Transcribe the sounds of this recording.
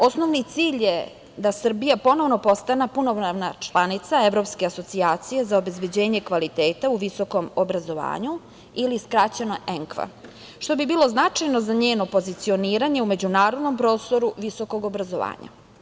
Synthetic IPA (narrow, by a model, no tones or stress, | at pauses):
o̞sno̞ʋnit̪siːʎje̞ | d̪asr̩bijapo̞no̞ʋno̞po̞st̪anapunoʋnaʋnat͡ʃlˠanit̪saeʋɾo̞pskeaso̞t̪siaːt̪sije̞zaobe̞zbe̞d͡ʑe̞ːɲe̞kʋalit̪e̞ːt̪auʋiso̞ko̞mobɾazo̞ʋa̰ːɲu | iliskɾaːt͡ɕenoʔeŋkʋa̰ | ʃt̪o̞bibiːlˠo̞znat͡ʂajno̞zaɲeːno̞po̞zit̪sio̞niːɾaɲe̞ume̞d͡ʑunaːɾo̞d̪no̞mpɾo̞ːst̪o̞ɾuʋiso̞ko̞ɡo̞bɾazoʋa̰ːɲa̰